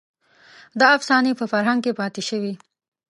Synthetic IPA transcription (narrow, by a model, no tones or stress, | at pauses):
d̪ɑːfsɑnipəfaɾɦaŋɡ̚kepɑt̪eʃəwi